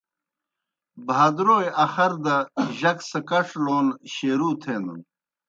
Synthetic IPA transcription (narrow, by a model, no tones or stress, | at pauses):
bʱad̪ɾoːjɐxɐɾd̪ɐʑɐksɐkɐʂloːnɕeːɾuːt̪ʰeːnd̪ṵn